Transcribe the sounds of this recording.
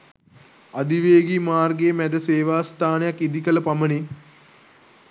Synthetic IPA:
ad̪iʋeːɡimaːrɡemæd̪əseːʋaːst̪aːnejakːid̪ikələpaməni

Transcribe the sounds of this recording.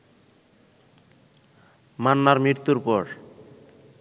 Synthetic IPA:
manːaɾmiɾt̪uɾpɔɾ

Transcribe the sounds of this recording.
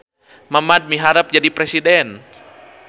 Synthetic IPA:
mamad̪̚miɦaɾəp̚d͡ʒadipɾɛsidɛn

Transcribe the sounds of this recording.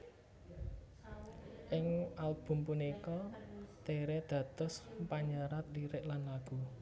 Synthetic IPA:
ʔɪŋʔalb̥ʊ̤mpunikɔt̪eɾɛd̪̥ä̤t̪ʊsmpaɲəɾat̪̚diɾɪʔlanlaɡ̥ṳ

